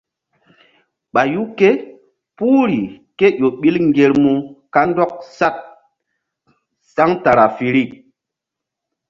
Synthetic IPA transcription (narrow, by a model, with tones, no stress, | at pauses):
ɓa˨ju˦ke˦ | puː˦ɾi˨ke˦jo˨ɓi˦lŋ˨ɡe˨ɾmu˨ka˦n˦dɔ˦k̚sa˦˨t̚ | sa˦ŋta˨ɾa˨fi˨ɾi˦˨k